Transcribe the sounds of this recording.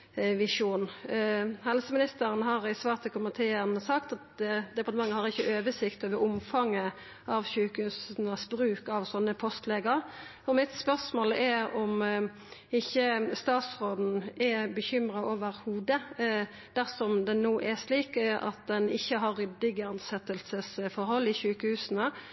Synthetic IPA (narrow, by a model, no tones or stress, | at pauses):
ʋɪʂuːn | hɛlsəmɪnɪst̪əɾənɦɑɾɪsʋɑːʁt̪ʰːɪlkʰʊmənt̪ʰeːəɾnəsɑkt̪ɑt̪d̪ɛpɑʁt̪əmɑŋːəhɑɾɪçːəʔøːʋəsɪkt̪oːʋəɾʊmfɑŋːə | ɑʋçʉːkʉsn̩əsbɾʉːkɑʋsɔnːəpʰɔst̪leːɡəɾ | ɔmɪt̪spœʁsmoːlɛɾɔm | ɪçːəst̪ɑːt̪sɾoːd̪n̩ɛbəçʏmɾɑʔoːʋəɾhuːd̪ə | d̪̥æʁsɔmd̪ɛnoːʔɛsliːkʔɑ̰t̪̚d̪ɛnɪçːəɦɑɾːʏd̪ɪɡəɑnsɛt̪ːəlsəsfɔɾɦɔlːɪɕʉːkəhʉːsənə